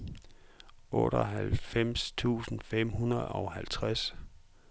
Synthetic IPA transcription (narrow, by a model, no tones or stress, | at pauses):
ʔɔ̰̽ːɾɒɦælfem̰st͡sʰṵːsn̩fem̰hunɐð̩ˠɒʊhælt͡sʰʁas